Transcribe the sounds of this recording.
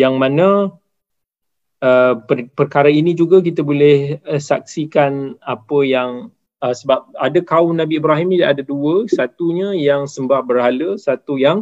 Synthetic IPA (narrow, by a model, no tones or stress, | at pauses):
jaŋmãnə̃ | əpəpərkaɾainĩd͡ʒuɡak̬it̪abolɛhəsak̚sikanapəjaŋ | əsəbap̚adakaʊmnabiːbɾaɦimidaʔadaduəsat̪uɲə̃jaŋsəmbahbəɾhaləsat̪ujaŋ